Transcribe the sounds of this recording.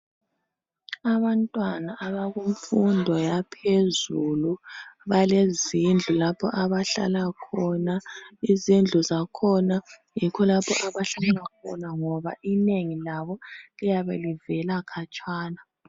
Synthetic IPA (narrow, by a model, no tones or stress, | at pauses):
aβantʼwanaʔːβaɣuɱfundʱɔjapʰezuluβalezind͡ɮʱulapʰɔ̰ʔaβaɬa̰lakʰɔnaizind͡ɮʱuzakʰɔna | jikʰɔlapʰɔ̰ʔaβaɬalakʰɔ̰naŋɔβa̰ʔineŋilaβɔlijaβɛ̰livɛlakʰat͡ʃʼaːna